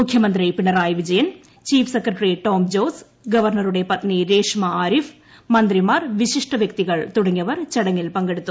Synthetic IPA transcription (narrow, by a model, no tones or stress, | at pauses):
mʊkʰːjɐmɐnd̪ɾɐɪpɪɳɐɾaːjʋɪd͡ʒɐjɐn | t͡ʃiːfsekɾɐʈɾiʈoːmd͡ʒoːs | ɡɐʋɐɾnɐɾɯɽɐjpɐt̪niɾeːʂmɐaːɾif | mɐnd̪ɾimaːɾʋɪʂɪʂʈɐʋjɐk̚t̪ɪɣɐɭt̪ʊɽɐŋːɐʋɐɾt͡ʃɐɽɐŋːɪlpɐŋɡɐɽɯt̪ːɯ